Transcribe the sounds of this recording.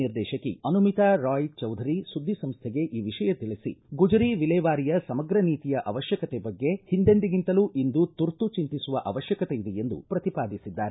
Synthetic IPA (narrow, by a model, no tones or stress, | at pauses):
iɾd̪ɛːʃɐkːḭɐnumit̪aɾaːjt͡ʃɐwd̪ʱɐɾisud̪ʱːisɐmst̪ʰeɡe̞ʔiːʋiʂɐjɐt̪iɭisḭɡud͡ʒɐɾiʋilɛːʋaːɾijɐsɐmɐɡɾɐniːt̪ijɐʔɐʋɐʃjɐkɐt̪ɛbɐɡːe̞hind̪end̪iɡint̪ɐluʔind̪ut̪uɾt̪ut͡ʃint̪isuʋɐʔɐʋɐʃjɐkɐt̪eid̪ejend̪ṵpɾɐt̪ipaːd̪isid̪ːaːɾe